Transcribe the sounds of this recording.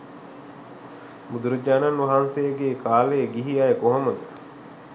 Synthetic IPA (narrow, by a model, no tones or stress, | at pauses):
mud̪uɾɐd͡ʒaːnanʋɐɦansejəɡeːkʰaːlejeɡiɦiajekoɦomɐd̪ɐ